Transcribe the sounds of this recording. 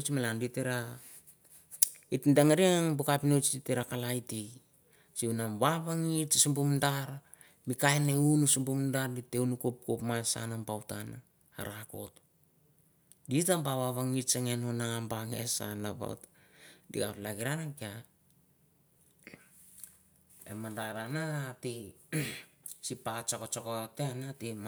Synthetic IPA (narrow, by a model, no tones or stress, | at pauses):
t͡ʃmalanditeɾa | itndaŋaɾiaŋbukapinot͡ʃditeɾakalajtik | siunaβaβaŋit͡ʃisumbumdaɾ | mikaeneunusumbumdaɾditeunukop̚kopmasa̰nambawtana | a̰ɾako̞̰t | ditambaβaβaŋiɾt͡ʃeŋe̞nonambaŋḛsa̰napa̰wtadḭɡa̰plaɡiɾanakia | ḛmandaɾanati | sipat͡ʃokot͡ʃokoteanatim